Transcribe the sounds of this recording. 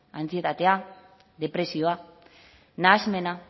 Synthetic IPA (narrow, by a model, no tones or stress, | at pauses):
ant͡siet̪at̪e̞a | ðe̞pɾe̞sio̞a | naːzme̞na